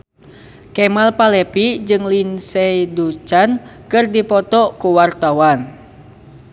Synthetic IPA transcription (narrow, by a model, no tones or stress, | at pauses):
kɛmalpalɛpid͡ʒɨŋlinsɛidut͡ʃankɨrdipɔt̪ɔkuwart̪awan